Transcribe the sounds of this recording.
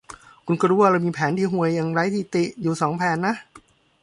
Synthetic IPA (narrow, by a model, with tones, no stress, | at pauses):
kʰu˧nkɔ˧ɾuː˦˥wa˧ɾaː˧wmiː˧pʰɛː˩˦nt̪ʰiː˧˩ɦu˧˩əjːa˧ŋɾaː˦˥˩jt̪ʰiː˧˩t̪i˨˩ʔjuː˨˩sɔː˩˦ŋpʰɛː˨˩˦nːa˦˥ʔ